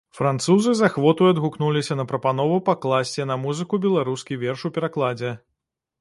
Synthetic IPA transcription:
fɾant̪suzɨzaxvɔt̪ujad̪ɣuknulʲisʲɐnɐpɾɐpanɔvupaklˠasʲt͡sʲɛnɐmuzɨkubʲɛlˠaɾuskʲivʲɛrʂupʲɛɾaklˠad͡zʲɛ

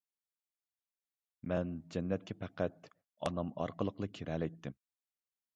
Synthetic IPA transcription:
mɛnd͡ʒɛnːɛt̪̚kʲʰɛpʰæqæt̪ | ɑ̰nɑmɑ̰ɾqəlˠəqlˠəkʲʰiɾɛlɛt̪ʰːɪm

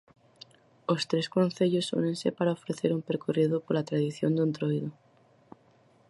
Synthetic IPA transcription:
ost̪ɾeskon̟θeʎosṵne̞nsepaɾaofɾeθeɾumpeɾkorið̞opoɾlat̪ɾaðiθjond̪unt̪ɾojðo

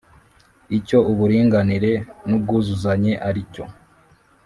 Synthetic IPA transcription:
ico̞uβuɾiːŋɡaniɾe̞nub̚ɡuːzuzaɲe̞ʔaɾico̞̰

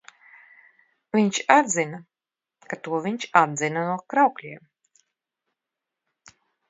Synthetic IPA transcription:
viɲt͡ʃad̪zina | kat̪uɔviɲt͡ʃad̪zinanuɔkɾawklʲiɛm

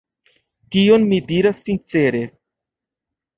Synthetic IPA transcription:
tio̞nmidiɾasːint͡se̞ɾe̞

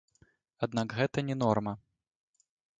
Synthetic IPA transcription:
ad̪̚nakɣɛt̪ɐnʲɛnɔrmɐ

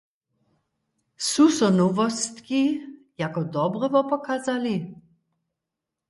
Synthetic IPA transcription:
susɔnɔvɔst̪ki | jakɔd̪ɔbɾɔvɔpɔkaːzali

